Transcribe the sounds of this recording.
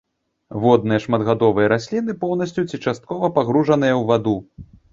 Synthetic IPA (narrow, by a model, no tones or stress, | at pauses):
vɔd̪̚nɨjɐʂmɐd̪ɣad̪ɔvɨjɐɾasʲlʲin̪ɨpɔwnɐsʲt͡sʲut͡sʲit͡ʂast̪̚kɔvɐpaɣɾuʐɐnɨjɐwvad̪u